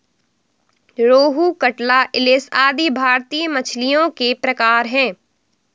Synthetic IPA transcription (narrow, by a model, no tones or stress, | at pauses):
ɾoːɦukɐʈlaʔɪlɪsaːd̪ibʱaːɾt̪iːjmɐt͡ʃʰlijõkepɾɐkaːɾɦɛ̃ː